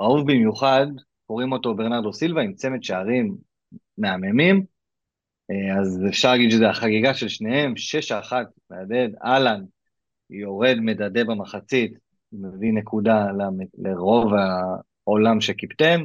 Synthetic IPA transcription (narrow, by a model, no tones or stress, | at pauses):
auvbimjuχad | ko̞ʁimo̞t̪o̞beʁnaʁdosilvaimt͡semetʃeaʁimː | e̞amemim | azefʃaʁlaːɡid̪ʃezeaχaɡiɡaʃe̞lʃne̞he̞mʃe̞ʃaːχat̪meade̞daland | jo̞ʁe̞d̪medade̞bamaχat͡sit̪ | mevinekudalaleʁo̞va | olamʃekipt̪em